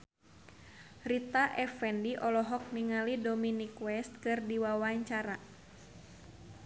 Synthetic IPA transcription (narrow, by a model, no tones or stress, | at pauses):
rit̪aʔɛfɛndiʔɔlɔɦɔk̚niŋalidɔminikwɛst̪̚kɨrdiwawaɲt͡ʃaɾa